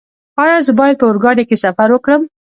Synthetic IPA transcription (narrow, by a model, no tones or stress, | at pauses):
ajazəbɑjad̪̚pəʊɾɡɑɽekesafaɾwəkɽəm